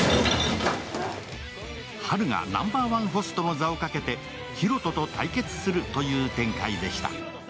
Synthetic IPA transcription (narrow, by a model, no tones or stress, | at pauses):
haɾɯ̟ŋa̰nã̰mbaːβãɰ̃ɸo̞sɨ̥t̪o̞mozao̞kake̞t̪e̞ | çiɾo̞t̪o̞t̪o̞t̪aike̞t͡sɨ̥sɨɾɯ̟t̪o̞jɯ̟ːt̪ẽ̞ŋkaid̪e̞ɕi̥t̪a̰